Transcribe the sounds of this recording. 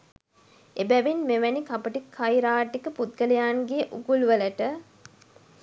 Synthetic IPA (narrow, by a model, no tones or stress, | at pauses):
ebæʋinmeʋænikapəʈikʰːɐjɾaːʈːikəput̪̚ɡəlɐjaːnɡeʔuɡulʋələʈə